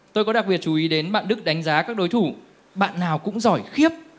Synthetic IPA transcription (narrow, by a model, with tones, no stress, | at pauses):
t̪o˧jkɔ˨˦ɗa˨˩k̚ɓi˨˩ət̚t͡ɕu˨˦ʔi˨˦ɗe˨˦nɓa̰ː˧˨nɗɨ˦˥k̚ɗa˨˦jŋ̟zaː˨˦kaː˦˥k̚ɗo˨˦jt̪ʰu˧˩ | ɓa̰ː˧˨nːaː˨˩wkʊ̰˧˥ŋ͡mzɔ˧˩jxi˦˥əp̚